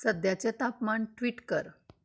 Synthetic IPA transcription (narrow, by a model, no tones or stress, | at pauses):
səd̪jat͡set̪apmaɳʈʋiːʈkəɾ